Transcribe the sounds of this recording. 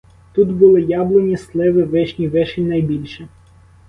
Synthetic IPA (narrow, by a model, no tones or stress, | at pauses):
t̪ut̪bʊlˠɪjɑblˠɔnʲislˠɛʋɪʋɛʃnʲiʋɛʃɪnɐjbʲilʲʃɛ